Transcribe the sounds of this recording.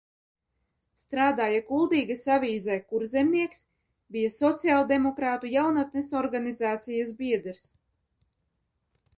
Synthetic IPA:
st̪ɾaːd̪aːjakulˠd̪iːɡasavʲiːzɛjkuɾzʲɛmniɛks | bʲijasɔt̪sialˠd̪emɔkɾaːt̪ujawnat̪̚nesɔɾɡanizaːt̪sijasbiɛd̪ɾs

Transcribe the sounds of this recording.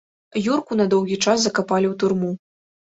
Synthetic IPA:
jurkunɐd̪ɔwɣʲit͡ʂaszɐkapalʲiwt̪urmu

